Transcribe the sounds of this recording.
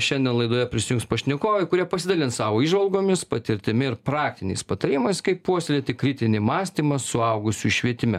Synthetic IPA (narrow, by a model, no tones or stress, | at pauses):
ʃʲɛnʲd̪ʲɛnlˠɐɪd̪oːjɛpʲɾʲɪsʲɪjʊŋkspɐʃʲnʲɪkoːʋɛɪkʊɾʲiɛpɐsʲɪd̪ɐlʲɪnssɑːʋoːiːʒʋɐlˠɡoːmʲɪspɐt̪ʲɪɾʲt̪ʲɪmʲɪɪɾpɾɑːk̚t̪ʲɪnʲɛ̰ɪspɐt̪ɐɾʲiːmɐɪskɐɪpuɔsʲlʲiɛt̪ʲɪkɾʲɪt̪ʲɪnʲɪmɑːsʲt̪ʲiːmɐsʊɐʊɡʊsʲuʃʲʋʲiɛt̪ʲɪmʲɛ̰